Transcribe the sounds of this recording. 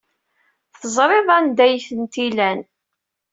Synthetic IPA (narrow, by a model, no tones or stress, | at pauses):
θəzˤɾˤeðˤænd̪æjθənt̪ilæn